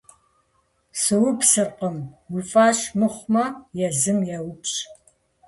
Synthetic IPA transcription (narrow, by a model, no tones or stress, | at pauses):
sɨwʊpsɨrqəmwʊfʼaːɕmɨχʷmɐjɛzɨmjɛwʊpɕʼ